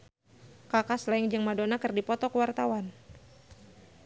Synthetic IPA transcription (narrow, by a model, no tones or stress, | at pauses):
kakaslaɪŋd͡ʒɨŋmadonakɨrdipɔt̪ɔkəwart̪awan